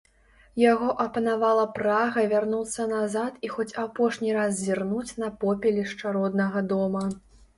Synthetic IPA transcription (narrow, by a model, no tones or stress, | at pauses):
jaɣɔʔɐpɐnavalˠɐpɾaɣɐvʲarnut̪sːɐnazat̪ixɔt͡sʲapɔʂnʲiɾaszʲirnut͡sʲnɐpɔpʲɛlʲiʂt͡ʂaɾɔd̪nɐɣɐd̪ɔmɐ